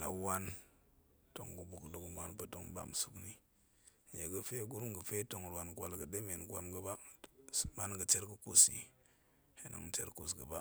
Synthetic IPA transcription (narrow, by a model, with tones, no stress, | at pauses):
la̰˨˦wa˦n | to˨ŋɡu˨bu˨kdu˦kma˦npə˦to˦ŋba̰˨msu˦kni˦˨ | je˨ɡə˦fe˦ɡu˦ɾmɡə˨fe˦to˨ŋ˨ɾwa˨nɡwa˨lɡə˨de˦me˨nɡwa˨mɡə˦ba˦ | ma˦nɡə˨t͡ʃe˦ɾɡə˦ku˨sḭ˨ | he˨na̰˨ŋ˦t͡ʃḛ˦ɾku˨sɡə˨ba˦